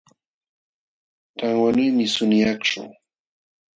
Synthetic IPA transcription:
t̪aŋwanʊjmɪsʊnɪakʈ͡ʂʊ̰ŋ

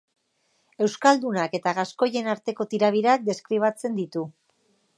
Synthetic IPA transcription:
e̞wskald̪unake̞t̪aɣasko̞je̞naɾt̪e̞ko̞t̪iɾaβ̞iɾak̚d̪e̞skɾiβ̞at͡se̞nd̪it̪u

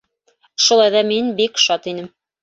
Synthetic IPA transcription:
ʃŭlˠɑjðɑminbikʃɑt̪inɘm

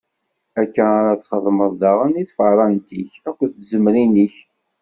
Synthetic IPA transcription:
ækːənaɾaθχəðˤməðˤðɑʁəniθfəɾˤɑnt̪içækʷːəθzəmɾiniç

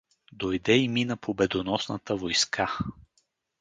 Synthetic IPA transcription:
d̪ojd̪ɛiminəpʰobɛd̪onɔsnə̰t̪əvojskʰa

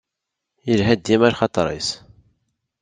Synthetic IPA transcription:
jəlɦæd̪ːimæɾχɑt̪ˤɾˤḭs

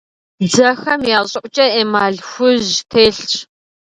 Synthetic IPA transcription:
d͡zɐxɐmjaːɕʼɪʔʷʼt͡ʃʼɐeːmaːɮxʷʊʑtʰeːɬt͡ʃʼ

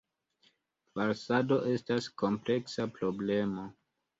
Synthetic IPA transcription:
faɾsado̞ʔe̞stasko̞mple̞ksapɾo̞ble̞mo̞

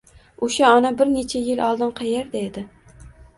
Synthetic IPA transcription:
oʃaɒnabɪɾnet͡ʃʰajɪlʔɒlˠd̪ɪnqʰɑjeɾd̪aed̪ɪ

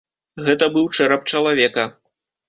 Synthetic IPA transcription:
ɣɛt̪ɐbɨwt͡ʂɛɾɐp̚t͡ʂɐlˠavʲɛkɐ

